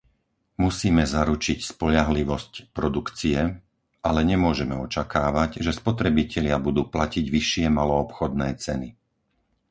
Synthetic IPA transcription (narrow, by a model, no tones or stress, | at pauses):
musiːmɛzaɾut͡ʃicspɔʎaɦliʋɔscpɾɔd̪ukt͡siɛ | ʔalɛɲɛmʊɔʒɛmɛɔt͡ʃakaːʋaɟʒɛspɔt̪ɾɛbicɛʎɪabud̪uːplaciɟʋiʃɪɛmalɔːpxɔd̪nɛːt͡sɛni